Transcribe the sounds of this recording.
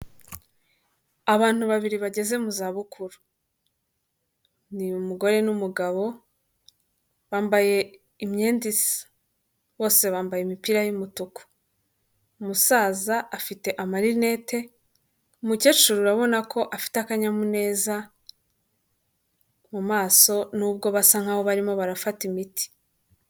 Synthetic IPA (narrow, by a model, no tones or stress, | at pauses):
aβaːn̥huβaβiɾiβaɟe̞ze̞muzaːβukʰuɾu | niumuɡo̞ɾe̞numuɡaβo̞ | βaːmbaje̞ | imɲeːndisḁ | βo̞ːse̞βaːmbajemipiɾajumutuko̥ | umusaːzaːfite̞ʔamaɾine̞ːte̞ | umuce̞t͡ʃuɾuɾaβo̞nakʰo̞ʔafi̥takaɲamune̞ːza | mumaːso̞nuːbɡo̞βasaŋ̥haːβo̞βaɾimo̞βaɾafatimiti̥